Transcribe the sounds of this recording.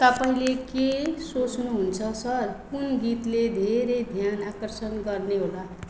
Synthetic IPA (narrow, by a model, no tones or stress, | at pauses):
t̪ʌpaĩlekesot͡snuɦunt͡sʰʌsʌrkunɡit̪led̪ʱeɾejd̪ʱjanakʌrsʌnɡʌrneɦola